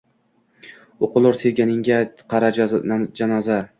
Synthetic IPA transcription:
oqʊlˠʊɾt̪ʰeɾɡʲanɪŋɡʲaqʰɑɾad͡ʒanaza

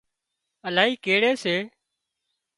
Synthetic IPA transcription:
əlaːɦiːkeːɽeːseː

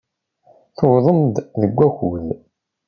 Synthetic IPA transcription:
θowðˤəmd̪ðəɡʷːæxuð

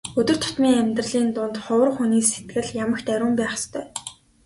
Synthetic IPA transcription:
ɵt̪ɵ̆r̥t̪ʰʊ̥t̪miːŋæmʲt̪rə̆ɮiːnt̪ʊnt̪χʊwə̆rχuniːset̪ɡɘ̆ɮjamə̆xt̪æɾʲʊːmpæːχst̪ʰœː

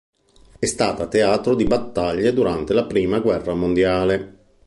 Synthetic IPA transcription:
ɛst̪aːt̪at̪eaːt̪ɾod̪ibat̪ːaʎːed̪uɾant̪elapɾiːmaɡwɛrːamond̪jaːle

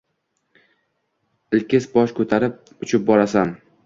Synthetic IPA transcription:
ɪlkʲɪsbɒʃkʰɵt̪ʰaɾɪp̚ː | ʊt͡ʃʰɪp̚bɒɾasan

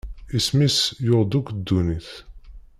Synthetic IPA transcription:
ismisjoʁd̪ukd̪ːuniθ

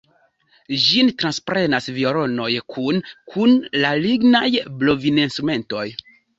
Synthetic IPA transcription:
d͡ʒintɾanspɾe̞nasvioɾo̞no̞jkʰunkʰunlaliɡnajblo̞vinenstɾume̞nto̞j

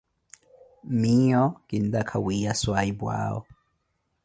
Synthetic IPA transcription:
miɔkind̪akʰawiaswaibwa̰ːɔ̰

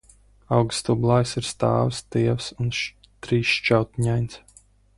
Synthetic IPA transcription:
awɡst̪ublˠajsiɾst̪a̰ːwst̪iɛwsun | t̪ɾiːsʃt͡ʃawt̪ɲajns

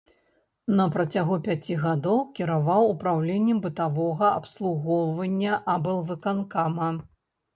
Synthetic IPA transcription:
nɐpɾɐt͡sʲaɣupʲat͡sʲiɣad̪ɔwkʲiɾavawupɾawlʲenʲːɛmbɨt̪avɔɣɐɐ̰pslˠuɣɔwvɐnʲːɐʔabɛlˠvɨkankamɐ

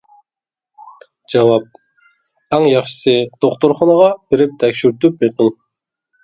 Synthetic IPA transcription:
d͡ʒɑwɑp̚ | æŋjɑχʃɨ̥sɨd̪̥oχt̪oɾχɑnəʁɑb̥ɪɾɪp̚t̪ʰɛkʲʃyɾt̪ypjeqʰəlˠ

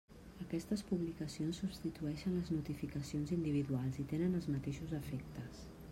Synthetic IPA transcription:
əkɛst̪əspuβlikəsionsːubst̪it̪uɛʃənləznut̪ifikəsionzind̪iβ̞iðualˠzit̪enənəlˠzmət̪eʃuzəfek̚t̪əs

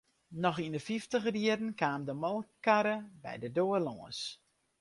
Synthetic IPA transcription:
nɔxindəfiftəxrjiədn̩kaːmdəmɔlˠkaɾəbɛ̰jdədoːərlɔːəs

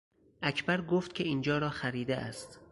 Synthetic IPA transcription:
ʔækʰbæɾɡoːft̪cʰeiːnd͡ʒɒːɾɒːxæɾiːd̪eʔæ̰st̪

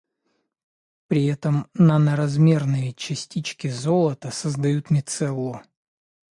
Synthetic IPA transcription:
pɾʲɪɛt̪əmnənəɾɐzmʲe̞rnəjət͡ɕɪsʲtʲit͡ɕkʲɪzo̞lˠət̪əsəzd̪ɐjut̪mʲɪt̪sɛlˠːo

